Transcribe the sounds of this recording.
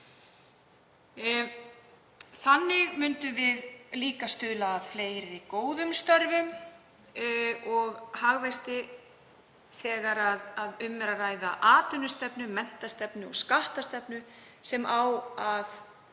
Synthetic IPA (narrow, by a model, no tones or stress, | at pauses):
θanːɪɣmʏnt̪ʏvɪðliːkast̪ʏːðlaːðfleːjɾɪikoːwðʏmst̪œɾvʏm | ɔɣhaɣvast̪ɪ | θɛːɣaɾaðaðʏmːɛɾaraːjðaʔaːt̪ʏnʏst̪ɛpnʏmɛn̥t̪ast̪ɛpnʏɔ̰ɣskaht̪ast̪ɛpnʏsɛmʔawað